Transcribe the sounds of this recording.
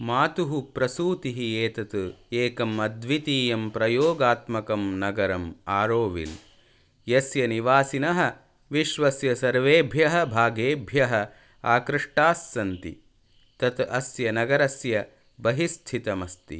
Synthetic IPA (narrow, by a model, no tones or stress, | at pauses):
maːt̪uɦupɾɐsuːt̪iɦieːt̪ɐt̪ɨeːkɐmɐd̪ʋit̪iːjɐmpɾɐjoːɡaːt̪mɐkɐmnɐɡɐɾɐmaːɾoːʋḭl | jɐsjɐniʋaːsinɐɦɐ̆ | ʋiʃʋɐsjɐsɐɾʋeːbʱjɐɦɐ̆bʱaːɡeːbʱjɐɦɐ̆ | aːkɾɨʂʈaːsːɐnt̪ḭ | t̪ɐt̪ɐsjɐnɐɡɐɾɐsjɐ | bɐɦist̪ʰit̪ɐmɐst̪ḭ